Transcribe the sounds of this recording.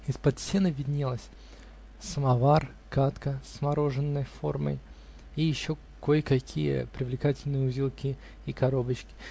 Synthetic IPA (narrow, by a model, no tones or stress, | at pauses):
ɪspɐt̪sʲenɨvʲɪdʲnʲelˠəsʲ | səmɐvar | kat̪kəsmɐɾo̞ʐɨnːəjfo̞rmə̰j | ijɪɕːo̞ | kojkɐkʲʰijə̰pɾʲɪvlʲɪkatʲɪlʲnɨjəʊzʲilˠkʲɪ | ikɐɾo̞bət͡ɕkʲɪ̥